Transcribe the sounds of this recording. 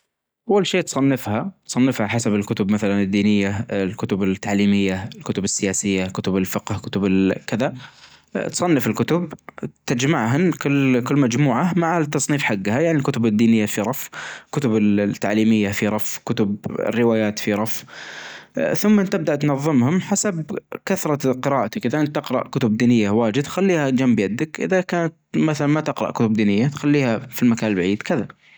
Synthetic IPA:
ʔʔawːalʃeːt̪sˤɑnːɪfhat̪sˤɑnːɪfhaħasabɪlkʊt̪ʊbmaθalanɪd̪ːiːnɪjːalkʊt̪ʊbɪt̪ːaʕliːmɪjːaɪlkʊt̪ʊbɪsːɪjaːsɪjːakʊt̪ʊbɪlfɪqhkʊt̪ʊbɪlkɪða | t̪sˤɑnːɪfɪlkʊt̪ʊbt̪ad͡ʒmaʕɦʊnkʊlːkɪlːmad͡ʒmuːʕamaʕat̪ːɑsˤniːfħaɡːhajaʕnilkʊt̪ʊbɪd̪ːiːnɪjːafiɾˤɑfkʊt̪ʊbɪlt̪ːa̰ʕliːmɪjːafiɾˤɑfkʊt̪ʊbɪ̰rːɪwaːjaːt̪fiɾˤɑf | θʊmːaʔɪnt̪ːɪb̚d̪aʔt̪nɑðˤːɨmhʊmħasabkaθɾˤɑqɨɾaːʔat̪akʔɪðaʔɪnt̪ːɪqɾˤɑ̰ʔkʊt̪ʊb̚d̪iːnɪjːawaːd͡ʒɪd̪t̪xalːiːhad͡ʒambjad̪ɪkʔɪ̰ðakaːnat̪maθalanmat̪ɪqɾɑ̰ʔkʊt̪ʊb̚d̪iːnɪjːat̪xalːiːhafilmakaːnlbaʕiːd̪kɪða

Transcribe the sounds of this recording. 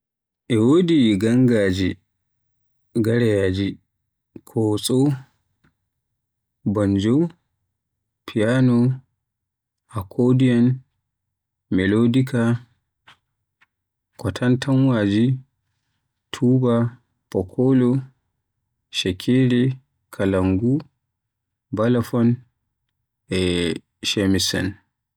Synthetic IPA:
ʔɛwodiɡaŋɡaːd͡ʒi | ɡaɾɛjaːd͡ʒi | kʰɔsʼo | bɔnd͡ʒo | pʰijanɔ | ʔakʰodijan | mɛlodika | kɔtʰantanwad͡ʒi | tʰuːba | pɔkʰɔlɔ | ʃɛkʰeɾɛ | kʰalaŋɡu | balafɔn | ɛ | ʃemisa̰n

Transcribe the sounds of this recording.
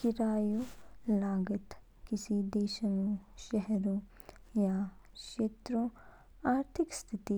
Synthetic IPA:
kiɾaːjulaːɡət̪ | kisid̪eːʃɐnuʃɐɦɛɾu | ja | ʃeːt̪ɾo | aːɾt̪ʰɪkst̪ʰit̪i

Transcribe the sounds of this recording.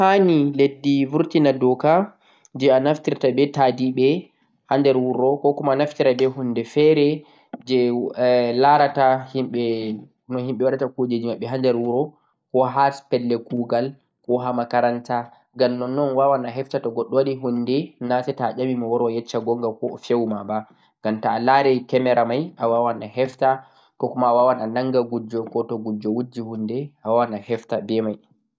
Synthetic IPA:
haniledːivuɾtinadɔka | d͡ʒɛanaftiɾtabɛtadiɓɛ | handɛɾwuɾɔkɔkɔmaanaftiɾabɛhundɛfɛɾɛ | d͡ʒɛ | laɾatahimɓɛ | nɔhimɓɛwaɗatakud͡ʒed͡ʒimaɓːɛɦandɛɾwuɾɔ | kɔɦaspɛlːɛkuɡal | kɔɦamakaɾanta | ɡamnɔnnɔnwawanaɦɛftatɔɡɔɗːɔwaɗiɦundɛnasɛtaːʄamimɔwɔɾwajɛt͡ʃːaɡɔŋɡakɔfewmaba | ŋɡamtaːlaɾɛkɛmɛɾamajʔawawanahɛfta | kɔkɔmaːwawananaŋɡaɡud͡ʒːɔkɔtɔɡud͡ʒːɔwud͡ʒːihundɛʔawawanahɛftabɛmaj

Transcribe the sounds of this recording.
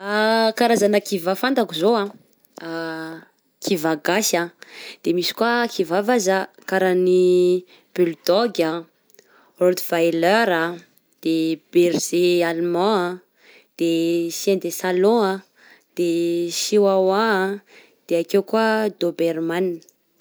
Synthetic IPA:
akaɾazanakivafant̪akizoã | a | kʰivaɡasad̪̥emisi̥kuakʰivavazakaɾani | b̥yld̪ɔɡʲa | rot̪iv̥ajløɾa | d̪̥eb̥erz̥ealmãa | d̪̥esẽnd̪esalɔ̃a | d̪̥eʃiwawa | d̪̥eakewkuad̪obeɾmani̥

